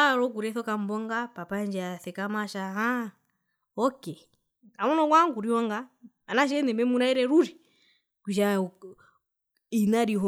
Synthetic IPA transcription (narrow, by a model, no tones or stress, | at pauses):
ɾɔk̬uɾɛθɔkam̩bɔŋɡapapaɲd͡ʒaθɛkamaʃaɦa | ɔkɛ | kamɔnɔkwaŋɡuɾiɔŋɡa | anaʃɛnɛmbɛmunaɛɾɛɾuɾi | kwiʃ̬a | inaɾiɦɔ